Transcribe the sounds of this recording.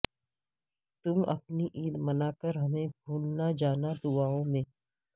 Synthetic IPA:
t̪ʊmɐ̰pniʔiːd̪mɐnaːkəɾɦɐmẽbʱuːlnad͡ʒaːnad̪ʊaːõmẽː

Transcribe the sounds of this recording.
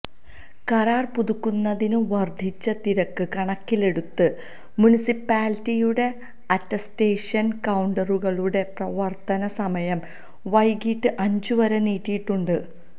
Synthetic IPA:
kɐɾaːrpuðukːunːɐðinɨʋɐrd̪ʱit͡ɕːɐt̪iɾɐkːɨkɐɳɐkːile̞ɽut̪ːɨ | munisipːaːlitːijuɽe̞ | ɐtːɐste̞ːʂɐnkɐwɳɖɐruɣɐɭuɽe̞prɐʋɐrt̪ɐnɐsɐmɐjɐm | ʋɐjɡiʈːɨʔɐɲd͡ʑuʋɐɾeniːtːijiʈːuɳɖɨ

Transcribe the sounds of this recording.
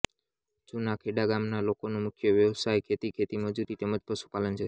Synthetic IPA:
t͡ʃunakʰeɖaɡamnalokonomukʰjəʋjəʋsajkʰet̪ikʰet̪iməd͡ʒuɾit̪eməd͡ʒpəʃu̥palənt͡ʃʰe

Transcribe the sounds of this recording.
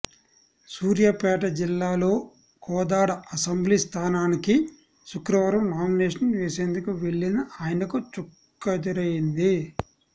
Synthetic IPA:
suːɾjapɛːʈɐd͡ʒilːaːlo̞ː | kʰɔːd̪aːɽɐɐsɐmblist̪ʰaːnaːniki | sukɾɐʋɐɾɐmnaːmineːʂɐnʋeːse̞ːnd̪ukuʋe̞ɭːinɐaːjɐnɐkut͡ʃukːɐd̪iɾɐjind̪i

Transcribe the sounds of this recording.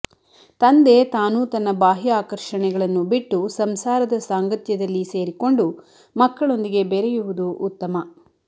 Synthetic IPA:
t̪ɐnd̪e̞t̪aːnut̪ɐnːɐbaːɦiaːkɐɾʂɐɳɛɡɐɭɐnːubiʈːusɐmsaːɾɐd̪ɐsaːŋɡɐt̪jɐd̪ɐlːise̞ːɾiko̞ɳɖu | mɐkːɐɭo̞nd̪iɡe̞bɛɾɛjuʋud̪uʔːt̪ːɐmɐ

